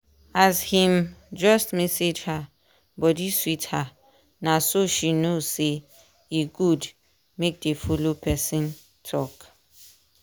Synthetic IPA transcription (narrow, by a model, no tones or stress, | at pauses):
ashĩmd͡ʒɔstmɛsed͡ʒha | bɔdiswitha | nãsoʃinose | iɡud | mek̚defulopʰɛsɛ̃n | tʰɔk